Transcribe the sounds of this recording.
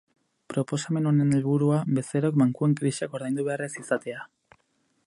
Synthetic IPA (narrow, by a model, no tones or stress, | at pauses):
pɾo̞po̞same̞no̞ne̞ne̞lβuɾuabe̞seɾokmaŋkue̞ŋkɾiʃako̞ɾðajnd̪uβe̞are̞sisat̪e̞a